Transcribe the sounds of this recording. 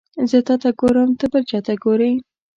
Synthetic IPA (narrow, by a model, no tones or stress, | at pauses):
zet̪ɑt̪aɡoɾəmt̪əbəɾt͡ʃɑt̪aɡoɾəj